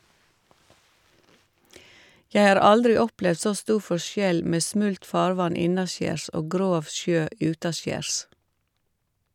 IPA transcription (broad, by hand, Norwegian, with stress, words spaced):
ˈjɛ ˈɑːɾ ˈɑldɾɪ ˈɔplɛʋd ˈsoː ˈstuː ˈfɔʃjɛl ˈmeː ˈsmʉlt ˈfɑːɾˌʋɑn ˈɪnɑˌʃjeːɾs ˈʔoː ˈɡɾoːʋ ˈʃjøː ˈʔjʉːtɑˌʃjeːɾs